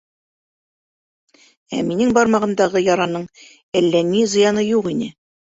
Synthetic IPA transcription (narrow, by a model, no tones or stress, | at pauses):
æ̰minɘŋbɒɾmɑʁɤ̆nd̪ɑʁɤjɒɾɑnɤɴ | ælːænizɤ̆jɑnɤjuʁinɘ